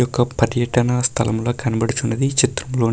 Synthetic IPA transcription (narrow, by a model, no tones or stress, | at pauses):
ɔkːɐpɐɾjɐʈɐnɐst̪ʰɐlɐmlo̞ːkɐnɐbɐɽut͡ʃunːɐd̪it͡ʃit̪ɾɐmloː